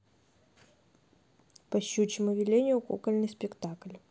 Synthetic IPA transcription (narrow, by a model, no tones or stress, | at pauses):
pɐɕːut͡ɕɪmɨvʲɪlʲenʲɪjʊkṵkəlʲnɨspʲɪkt̪aklʲ